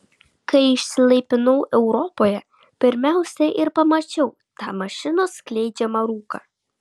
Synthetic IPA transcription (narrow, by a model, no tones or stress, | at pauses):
kɐɪɪʃʲsʲɪlˠɐɪpʲɪnɐʊʔɛʊɾɔpoːjɛ | pʲɪɾʲmʲæˑʊsʲɛʔɪɾpɐmɐt͡ʃʲɛʊ | t̪ɑːmɐʃʲɪnoːsklʲɛɪd͡ʒʲɛmɐɾuːkɑ̰ː